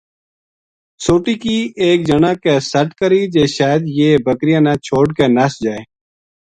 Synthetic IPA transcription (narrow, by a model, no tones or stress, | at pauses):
soːʈiːkiːʔeːk̚d͡ʒənãːkeːsəʈkəɾiːd͡ʒeːʃaːjəd̪jeːbəkɾɪjãːnãːt͡ʃʰoːʈkeːnasd͡ʒaːeː